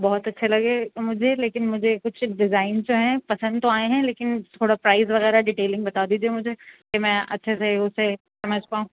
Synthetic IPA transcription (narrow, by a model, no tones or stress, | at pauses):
bɔːt̪ɐtːʃʰelɐɡemʊd͡ʒʱeleːkɪnmʊd͡ʒʱekʊt͡ʃʰɖɪzaːɪnzd͡ʒoɦɛ̃pɐsə̃nd̪t̪oaːeɦɛ̃leːkɪnt̪ʰoːɽapɾaːɪzʋɐɣɛːɾaɖiːʈeːlɪ̃ŋɡbɐt̪aːd̪iːd͡ʒiemʊd͡ʒʱekemɛ̃ʔɐtːʃʰeseʊse | sɐməd͡ʒʱpaːɦũː